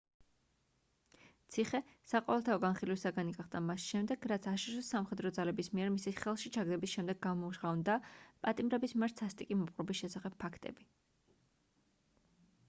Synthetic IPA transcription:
t̪sʰiχɛsaqʼɔvɛlˠt̪ʰaɔɡanχilwisaɡaniɡaχd̪amasʃɛmd̪ɛɡ̥ɾat̪sʰaʃuʃɔsamχɛd̪ɾɔd̪zalɛbismiɛɾmisiχɛlˠʃit͡ʃʰaɡd̪ɛbisʃɛmd̪ɛɡːamɔuʃʁavnd̪apʼat̪ʼimɾɛbismiɛɾt̪sʰast̪ʼikʼimɔpqʼɾɔbisʃɛsaχɛb̚pʰːakʰt̪ʼɛ̰bi

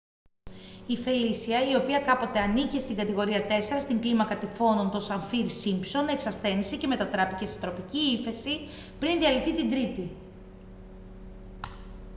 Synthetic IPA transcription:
ife̞lisiɐio̞piɐkɐpo̞t̪e̞ɐnicist̪iŋɡɐt̪iɣo̞ɾiɐt̪e̞se̞ɾɐst̪iŋɡlimɐkɐt̪ifo̞no̞nt̪o̞sɐɱfiɾsimpso̞ne̞ksɐsθe̞nisece̞me̞t̪ɐt̪ɾɐpice̞set̪ɾo̞piciife̞si | pɾinðiɐliθit̪ind̪ɾit̪i

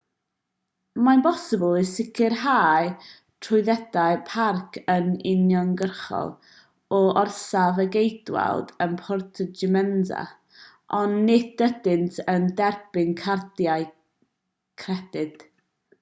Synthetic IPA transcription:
manbɔsəblˠisɪkʰɪrhaːj | tʰrʊɨðɛd̥ajpʰarkʰənɪnjɔnɡərχɔ̰lˠ | ɔʔɔrsavəɡejd̥wa̰lˠdənpʰɔrtʰəd͡ʒɪmɛnza̰ | ʔɔnːɪdədɪntʰəndɛrb̥ɪŋkʰardjaj | kʰrɛd̥ɪd̥

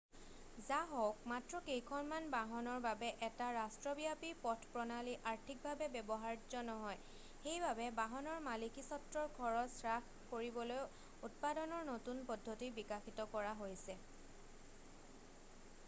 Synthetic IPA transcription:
zaɦɔwk̚matɹɔkejkʰɔnmanbaɦɔnɔɹbabɛʔɛtaɹastɹɔbijapipɔtʰpɹɔnaliʔaɹtʰik̚bʱabɛbɛbɔɦaɹd͡ʒɔnɔɦɔj | xejbabɛbaɦɔnɔɹmalikisɔtɹɔɹɡʱɔɹɔtsɹax | koɹibɔloj | ut̚padɔnɔɹnotunpɔdʱːotibikaxitɔkɔɹaɦojsɛ

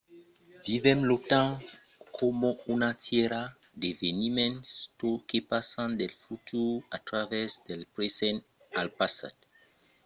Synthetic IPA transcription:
vivɛmlotã | kʰomɔ̃unatjɛɾa | d̪evenimɛ̃nstokepasãnd̪elfut̪ʰuat̪ɾavɛsd̪ɛlpɾesɛ̃n | alpasa̰t

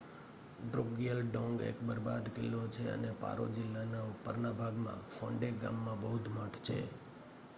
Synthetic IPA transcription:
ɖɾoɡijəlɖɔ̃ŋɡḛkbəɾbad̪kɪlːot͡ʃʰeə̰nepa̰ɾo̰d͡ʒɪlːanaʊpəɾnabʱaɡmã̰fɔ̃ɳɖeɡa̰mːãbəɦud̪ʱməʈʰt͡ʃʰḛ

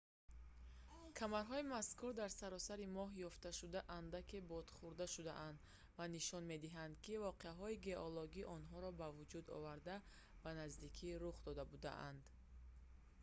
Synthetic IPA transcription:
kʰamaɾɦɔimaskuɾd̪aɾsaɾɔsaɾimɔɦjɔft̪aʃud̪aʔand̪akʰibɔd̪̥χuɾd̪aʃud̪a̰ʔand̪ | vaniʃɔnme̞d̪iɦand̪kivɔqeaɦɔiɡe̞ʔɔlɔɡiʔɔnɦɔɾɔbavud͡ʒud̪ɔ̰vaɾd̪a | b̥anazd̪ikʰiɾuχd̪ɔd̪abud̪a̰ʔa̰nd̪

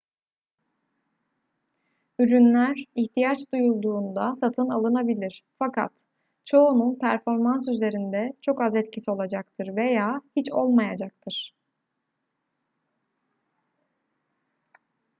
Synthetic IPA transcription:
yɾynlʲæɾiçt̪ʰijat͡ʃd̪ujulˠd̪uːnd̪asat̪ʰɯnalˠɯnabilʲiɾ̥fakʰa̰t̪ | t͡ʃʰo̞ununpʰæɾfo̞ɾmansyze̞ɾind̪ɛt͡ʃʰo̞kazɛt̪cʰisio̞lˠad͡ʒak̚t̪ʰɯɾve̞jaːhit͡ʃo̞̰lˠmajad͡ʒak̚t̪ʰɯɾ̥

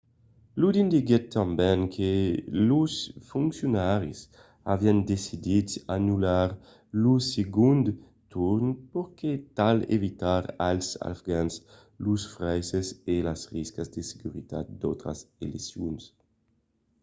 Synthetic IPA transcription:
lud̪ind̪iɡet̪ːãmbɛ̃ŋkʰelusfuŋksjonaɾis | aviand̪esid̪idsanulaɾ | luseɡũnd̪ | t̪uɾnpoɾket̪alḛvit̪aɾa̰lsa̰fɡans | lusfɾɛjsezelasriskazd̪eseɡuɾit̪a̰t̪̚d̪owt̪ɾa̰selḛsjuns

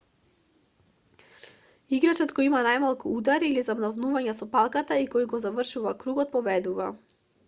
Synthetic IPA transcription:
iɡɾat͡ʃɔt̪kɔjimanajmalˠkuud̪aɾiːlizabnɔvnuvaɲasɔpalˠkat̪aikɔjɡɔzavrʃuvakɾuɡɔt̪̚pɔvɛd̪uva

